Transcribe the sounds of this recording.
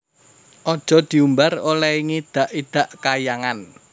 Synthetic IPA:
ʔɔd̥ʒ̥ɔ̤d̪̥i̤umbarolɛiŋid̪̥a̤ʔid̪̥ä̤ʔkajaŋan

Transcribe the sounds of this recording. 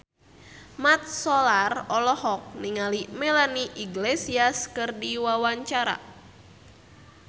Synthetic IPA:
mat̪̚sɔlarɔlɔhɔk̚niŋalimɛlaniʔiɡlesiaskɨrdiwawaɲt͡ʃaɾa̰

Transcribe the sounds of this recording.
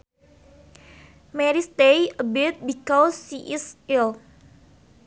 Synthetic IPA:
mɛɾist̪ejəbɪt̪̚bikɔsiʔɪsɪl

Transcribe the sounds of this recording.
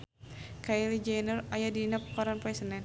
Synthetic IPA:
kailid͡ʒajnərajadinap̚kɔɾanpɾɛsənɛn

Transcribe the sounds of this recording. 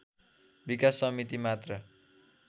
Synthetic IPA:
bikasːʌmit̪imat̪rʌ

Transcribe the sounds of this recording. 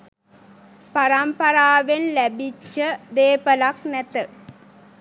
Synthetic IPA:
paɾampɐɾaːʋenlæbit͡ʃːəd̪eːpəlaknæt̪ə

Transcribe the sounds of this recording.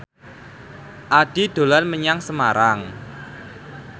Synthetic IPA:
ʔaɖ̥id̪̥o̤lanməɲaŋsəmaɾaŋ

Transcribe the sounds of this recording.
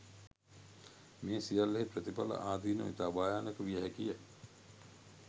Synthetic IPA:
meːsijalːeɦepɾət̪ipa̰lə̰ʔaːd̪ʱiːnoit̪abaːjaːnekəʋijɐɦɛkijə

